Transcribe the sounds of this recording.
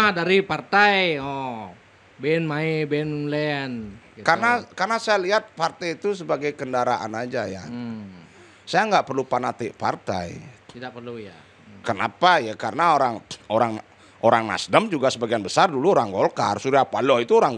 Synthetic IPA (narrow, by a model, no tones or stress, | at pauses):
adaɾipart̪ajɔ | benmaibenlɛn | karnakarnasajaliɦat̪̚part̪ajit̪us̬əbaɡajkəndaɾaʔa̰nad͡ʒaja̰ | sajaŋɡaʔpərlupanat̪ɪʔpa̰rt̪a̰j̪idapərluja | kəna̰pajakarənaoɾaŋoɾaŋ | ʔoɾaŋna̰sdəmd͡ʒuɡasəbaɡianbəsarduluoɾaŋɡolka̰rsuɾiapalɔit̪uoɾaŋ